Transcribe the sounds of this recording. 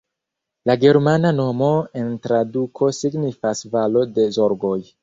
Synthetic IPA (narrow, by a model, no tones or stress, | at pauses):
laɡe̞ɾmanano̞mo̞e̞ntɾadukʰo̞siɡnifasvalo̞de̞zo̞ɾɡo̞j